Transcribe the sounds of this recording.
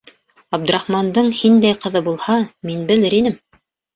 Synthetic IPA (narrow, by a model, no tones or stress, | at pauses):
ɑb̚d̪ɵ̆ɾɑχmɑnd̪ɤɴhind̪æjqɤ̆ðɤbulˠhɑminbɘ̆lɘɾinɘm